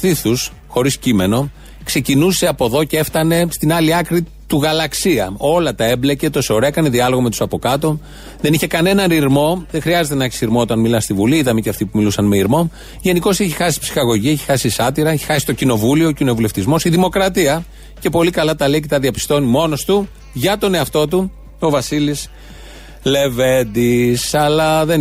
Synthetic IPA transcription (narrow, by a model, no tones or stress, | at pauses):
θiθus | xo̞ɾiscime̞no̞ | kse̞cinuse̞ɐpo̞ðo̞cee̞ft̪ɐne̞st̪inɐliɐkɾi | t̪uɣɐlɐksiɐo̞lɐt̪ɐe̞blece̞t̪oso̞ɾekɐniðiɐlo̞ɣomet̪usɐpo̞kɐt̪o̞ | ðe̞niçe̞kɐne̞nɐnɾiɾmo̞ðeŋxɾiɐzet̪enɐeçi̥siɾmoot̪ɐnmilɐst̪ivuliiðɐmeceɐft̪ipumilusɐnmeiɾmo̞ | ʝe̞niko̞seçixɐsi̥psi̥xɐɣo̞ʝieçi̥xɐsisɐt̪iɾɐeçi̥xɐsi̥t̪o̞cino̞vulio̞ːcino̞vule̞ft̪izmo̞siðimo̞kɾɐt̪iɐ | ce̞po̞likɐlɐt̪ɐle̞ice̞t̪ɐðiɐpi̥st̪o̞nimo̞no̞st̪u | ʝɐt̪o̞ne̞ɐft̪o̞t̪̬u | o̞vɐsilis | le̞vend̪isɐlɐðe